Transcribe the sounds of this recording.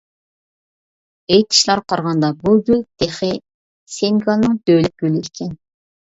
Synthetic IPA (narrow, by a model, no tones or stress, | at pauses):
ejt̪ʰi̥ʃlˠɑɾqʰɑɾʁɑnd̪ɑbuɡʲyld̪̥eχɪ | seŋɡɑlˠnɨŋb̪̥ølɪk̚ʲɡ̥ʲølɪikʲʰɛn